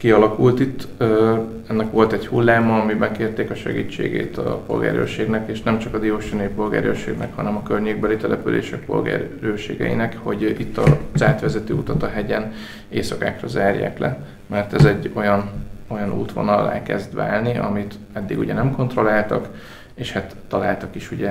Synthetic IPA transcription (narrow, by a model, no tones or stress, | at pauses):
kiɒlɒkult̪it̪ːø | ɛnːɛkʋo̞lt̪ɛchulːaːmɒːmimɛkːeːrt̪eːkɒʃɛ̰ɡḭːt͡ʃːḛːɡḛːt̪ɒ̰po̞̰lɡa̰ːɾø̰ːʃeːɡnɛkeːʃnɛmt͡ʃɒkɒd̪ioːʃɛnøjipo̞lɡa̰ːɾøːʃeːɡnɛ̰khɒnɛmɒkørɲeːɡ̚bɛlit̪ɛlɛpylḛːʃɛk̚po̞̰lɡa̰ːɾøːʃeːɡɛ̰ḭnɛkho̞ɟit̪ːɒzaːt̪ʋɛzɛt̪øːut̪ɒt̪ɒɦɛɟɛn | eːsɒkaːkrɒzaːrja̰ːklɛ | mɛrt̪ɛzɛɟːo̞jɒno̞jɒnṵːt̪ʋo̞̰nɒlːa̰ːkɛzd̪ʋa̰ːlniʔɒ̰mit̪ | ɛd̪ːiɡṵɟɛnɛmko̞nt̪ro̞laːlt̪ɒk | eːʃhat̪ːɒlaːlt̪ɒkiʃuɟɛ